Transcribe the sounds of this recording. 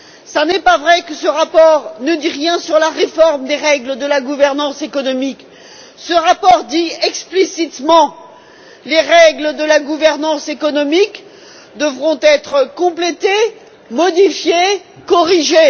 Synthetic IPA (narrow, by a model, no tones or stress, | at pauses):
sanɛpavʁɛkəsəʁapɔʁnəd̪iʁjɛ̃syʁlaʁefɔʁmd̪eʁɛɡləd̪əlaɡuvɛʁnɑ̃sekɔnɔmik | səʁapɔʁd̪iɛksplisit̪mɑ̃ | leʁɛɡləd̪əlaɡuvɛʁnɑ̃sekɔnɔmik | d̪əvʁɔ̃t̪ɛt̪χəkɔ̃plet̪e | mɔd̪ifje | kɔʁiʒe